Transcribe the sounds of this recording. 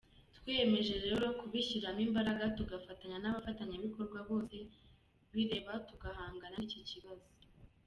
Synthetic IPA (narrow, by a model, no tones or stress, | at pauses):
twiːje̞me̞ʒe̞ɾe̞ɾo̞kuβiʃiɾamimbaɾaɡatuɡafataɲanaβafataɲaβiko̞ɾɡwaβo̞ːse̞ | βiɾe̞ːβatuɡaɦaːŋɡanaicociβazo̥